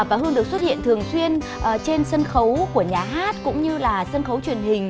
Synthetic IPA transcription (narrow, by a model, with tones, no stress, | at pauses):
vaː˨˩ɦɨ˧ənɗɨ˨˩ək̚swt̚hḭ˧˨ənt̪ʰɨ˨˩əŋswi˧ən | ʔt͡ɕe˧nsə˧nxə˨˦wku˧˩əɲaː˨˩ɦaː˦˥t̚kʊ̰˧˥ŋ͡mɲɨ˧laː˨˩sə˧nxə˨˦wt͡ɕwi˨˩ənhï˨˩ŋ̟